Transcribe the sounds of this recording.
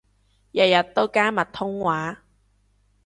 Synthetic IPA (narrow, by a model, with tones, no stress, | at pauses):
jɐ˨˩t̚jɐ˨t̪̚ːo˥wkaː˥mɐ˨˩t̚t̪ʰʊ˥ŋwaː˨˥